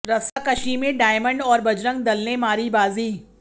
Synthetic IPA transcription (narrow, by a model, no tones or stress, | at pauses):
ɾɐsakɐʃimẽɖaːɪmə̃ɳɖɔːɾbɐd͡ʒɾə̃ŋɡ̚d̪ɐlnemaːɾibaːziː